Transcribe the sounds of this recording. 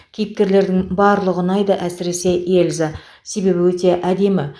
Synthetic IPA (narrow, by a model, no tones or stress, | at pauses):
kʲʰejɪp̚kʲe̞ɾle̞ɾd̪ɪŋbɑɾlˠəʁənɑjd̪əʔæsɪɾe̞se̞ʔelza | se̞be̞bɪwɵt̪e̞ʔæd̪e̞mɪ